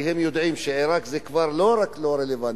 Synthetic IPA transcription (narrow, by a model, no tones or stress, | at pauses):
hemjod̪ʕimʃeʕeɾakzekvaɾloɾakloɾelevan